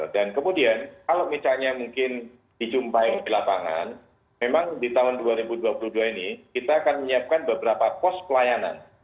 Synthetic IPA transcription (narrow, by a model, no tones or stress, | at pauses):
dankəmudiankalamisalɲamuŋkɪn | d̥it͡ʃumpajɔdilapaŋa̰n | memaŋdit̪aɦʊnduaɾibuduapuluhduainikit̪aːkanməɲiap̚kanbəbəɾapapɔspəlajana̰n